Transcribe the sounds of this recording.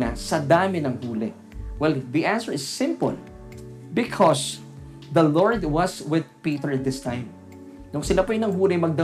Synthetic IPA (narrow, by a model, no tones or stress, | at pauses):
nɐsɐd̪aːmɪnɐŋhuːlɛ̰ | wɛlðiʔãnsɛɹɪsːɪ̃mpʊ̰l | bɪkʰɔs | ðɐlɔɹd̪wɐswɪðpit̪ɛɹɐt̪̚d̪ɪst̪ãjm | nʊŋsɪlapojɪnɐŋɦuːlɪmɐɡ̚d̪ɐ